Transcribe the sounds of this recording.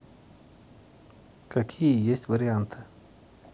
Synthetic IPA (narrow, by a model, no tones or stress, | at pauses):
kɐkʰʲijəjesʲtʲʋəɾʲɪant̪ʰɨ̥